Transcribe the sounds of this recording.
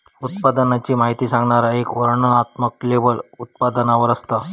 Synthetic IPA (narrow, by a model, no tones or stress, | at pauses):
ut̪pad̪ənat͡ɕiːmaɦit̪iːsãŋɡɳaɾaekʋəɾɳənat̪məklebəlut̪̚pad̪ənaʋəɾəst̪a